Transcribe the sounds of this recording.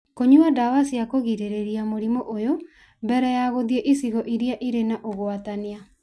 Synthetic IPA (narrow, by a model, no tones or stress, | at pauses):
koɲuadawasiakoɣiɾeɾeɾiamoɾimoʔojo | mbɛɾɛjaɣoðiɛʔisiɣɔʔiɾjaʔiɾenaʔoɣoatania